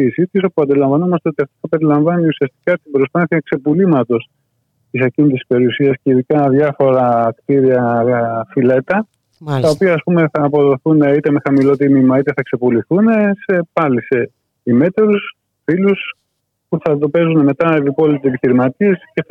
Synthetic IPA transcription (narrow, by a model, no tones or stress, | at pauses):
isit̪is̬o̞puɐnd̪ilɐɱvɐno̞mɐst̪e̞o̞t̪iɐft̪iθɐpe̞ɾilɐɱvɐniusiɐst̪i̥kɐt̪ibɾospɐθiɐkse̞pulimɐt̪o̞s | t̪isɐcinit̪isispe̞ɾiusiɐsceiðikɐðʝɐfo̞ɾɐkt̪iɾiɐfile̞t̪ɐ | ɐopiɐːspume̞θɐːpo̞ðo̞θuneit̪e̞me̞xɐmilo̞t̪imimɐit̪e̞θɐkse̞puliθune̞se̞pɐlise̞ | ime̞t̪eɾus | filus | puθɐðo̞pe̞zuneme̞t̪ɐevipo̞lit̪esepiçiɾimɐt̪ie̞sce̞